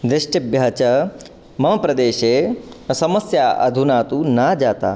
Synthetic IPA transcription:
d̪ɾɪʂʈɐbjaɦɐt͡ʃɐ | mɐmɐpɾɐd̪eːʃeːsɐmɐsjaːʔɐ̰d̪ʱunaːt̪unaːd͡ʒaːt̪a̰ː

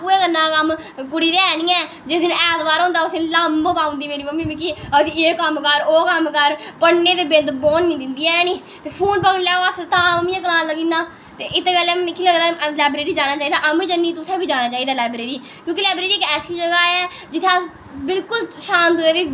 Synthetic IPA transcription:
puːeːkənːaːkəm | pʊɽiːɾeɛːnĩːɛː | d͡ʒeːɪːñːɛːt̪baːɾɦõːnd̪aːʊsẽːləmbpãːʊ̃nd̪iːmeːɾiːməmĩːmikiseːkəmkəɾoːkəmkəɾpəɽneːt̪eːbɪnd̪boːnːĩːd̪ɪnd̪iːɛnĩː | t̪eːpʰuːnpaːnlɛːoəst̪ãːməmĩːɛ̃k̬əɽaːləɡiːnaː | t̪eːʔɪt̪ːkəlɛːkiləɡd̪aːlaːbɾeːɾiːd͡ʒaːnaːt͡ʃaːiːd̪aːʔəmĩːd͡ʒənːiːt̪ʊsẽːbiːd͡ʒaːnaːt͡ʃaːiːd̪aːlaːbɾeːɾiː | kjõːkilaːbɾeːɾiːkɛːsiːd͡ʒəɡaːɛː | d͡ʒɪt̪ʰːa | bɪlkʊlʃaːnt̪oːeːʋiː

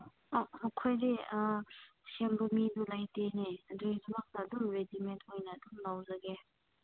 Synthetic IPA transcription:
omɐkʰojdi | sembɐmidulajteneɐduzɐmak̚tɐɐdumɾedimenthojnɐːdumlawzɐɡe

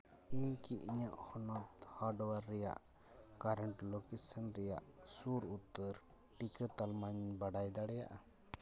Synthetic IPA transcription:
iɲkiʔiɲaʔhɔnɔt̪haɖɔwaɾːɛja̰ʔ | kaɾɛɳʈlokesənɾɛja̰ʔsuɾut̪ːəɾ | ʈikət̪almaɲbaɖajd̪aɽɛja̰ʔa

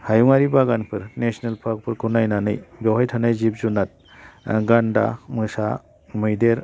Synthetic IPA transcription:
hajŋaɾibaɡanpʰɯɾnesnelpʰak̚pʰɯɾkʰunajnanɯ̰jbɔwɦajtʰanajzipzunat̚ | ɡanda̰mɯsa̰ | mɯjdeɾ

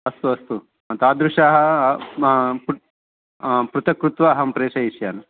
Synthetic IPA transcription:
ɐst̪uɐst̪u | mɐt̪aːd̪ɾuʂaːɦɐ | p | pɾut̪ɐkɾut̪ʋaːɦɐmpɾeːʂɐiʃjaːnɐ

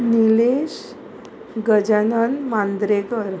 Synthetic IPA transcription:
nileɕ | ɡəd͡ʑanənmãnd̪ɾekəɾ

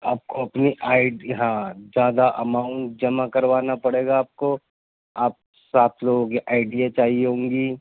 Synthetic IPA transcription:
aːp̚koɐpniʔaːɪɖɦãːd͡ʒjaːd̪aʔɐmaːʊ̃ɳʈ̚d͡ʒɐmakɐɾʋaːnapɐɽeːɡaːp̚ko | aːp̚ | saːt̪ʰloːɡõkiʔaːɪɖijat͡ʃaːɦiɦõːŋɡiː

